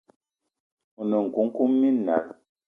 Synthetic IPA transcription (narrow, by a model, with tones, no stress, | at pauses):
u˨nə˨ŋ̩˨ku˨˦ŋ̩˦ku˦mːi˦na̰˨ɾ